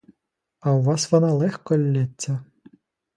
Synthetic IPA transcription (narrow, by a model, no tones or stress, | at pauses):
ɐwʋɑsʋɔnɑlˠɛxkɔlʲːɪt͡sʲːɐ